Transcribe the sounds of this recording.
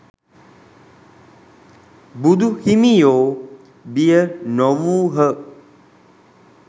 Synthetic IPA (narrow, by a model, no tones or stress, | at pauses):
bud̪uʔhimijo | biənɔwuɦəʔ